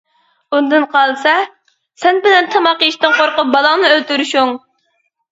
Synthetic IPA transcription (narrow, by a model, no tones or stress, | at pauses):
und̪ɨnqʰɑlˠsɛ | sɛnbɪlɛnt̪ʰɑmɑqiʃt̪ɨŋqʰoɾqʊp̚bɑlˠɑŋnɨølt̪yɾyʃuŋ